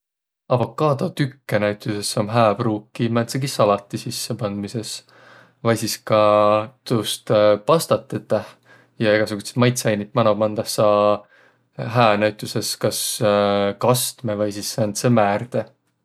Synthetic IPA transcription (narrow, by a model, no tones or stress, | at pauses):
ɑb̥ɑkɑːd̪ɑt̪ykːenæɥt̪ʲˑusesːomɦæːb̥ruːkːˑimæt̪seɡisɑlɑt̪ːˑisisːepɑnd̪̥mise̞s | vɑjsiskɑt̪ust̪pɑst̪ɑt̪ːˑet̪ːˑɑh | jɑeɡ̥ɑsuɡ̥ut̪se̥mɑjt̪sɑjnit̪̚mɑnobmɑnd̪ɑhsɑ | ɦæːnæɥt̪ːˑuse̞skɑs | kɑst̪mevɤjsisːænt̪semæːrd̪̥e